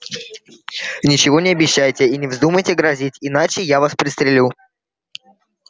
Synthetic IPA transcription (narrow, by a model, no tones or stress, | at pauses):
nʲɪt͡ɕɪvo̞nʲɪɐbʲɪɕːæjtʲɪinʲɪvzd̪uməjtʲɪɡɾɐzʲitʲɪnat͡ɕɪjavaspɾʲɪst̪ɾʲɪlʲu